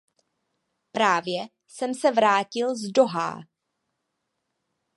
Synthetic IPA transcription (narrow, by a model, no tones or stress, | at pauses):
pɾaːvjɛ | sɛmsɛvɾaːcɪlzdo̞ɦa̰ː